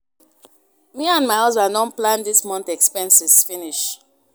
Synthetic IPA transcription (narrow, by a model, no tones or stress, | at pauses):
miãnmaɪɔzbãnːɔ̃nplãndismɔ̃ntɛkspɛ̃nsisfiniʃ